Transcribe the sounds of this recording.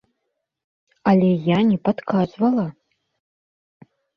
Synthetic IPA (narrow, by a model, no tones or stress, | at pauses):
alʲɛjanʲɛpat̪kʰazvɐlˠɐ